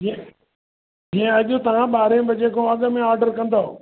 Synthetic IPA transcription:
d͡ʒiẽɐʄʊt̪ɐʋ̤ãɓaːɾẽbʱɪd͡ʒekʰõɐɠmẽaːɾɖəɾkɐ̃nd̪oː

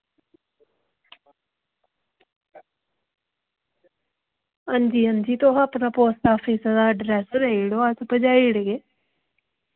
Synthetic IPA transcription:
ɦand͡ʒiːɦə̃nd͡ʒiːt̪oːɦaːpnaːpoːsʈaːpʰiːsd̪aːəɖɾɛːsɾeiɽoːasbəd͡ʒaːiɽɡeː

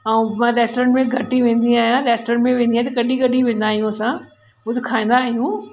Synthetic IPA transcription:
aũmãɾeːsʈoɾẽɳʈmẽɡʱɐʈiʋẽːn̆d̪iaːɦijãɾeːsʈoɾẽɳʈmẽʋẽːnd̪iaːɦit̪ɐkɐɗiɡʱɐɗiʋẽːnd̪aːɦijũɐsã | ʊd͡ʑkʰaːẽːn̆d̪aːɦijũ

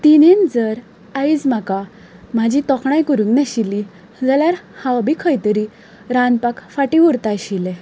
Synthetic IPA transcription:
t̪inend͡zəɾ | aid͡zm̤aka | m̤ad͡ʑʱit̪ɔkʰɳajkəɾuŋnaɕilːi | d͡zəljaɾhãwbʱikʰəjt̪əɾi | ɾanpakfaʈĩʋuɾt̪ajɕile

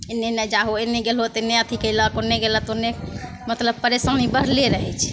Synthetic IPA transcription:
enenəd͡ʒaɦoenɛɡelɦot̪eneət̪ʰikəjlɔkoneɡelət̪one | mət̪ləb̚pəɾesənibəɾ̤leɾəɦɛt͡ʃʰ

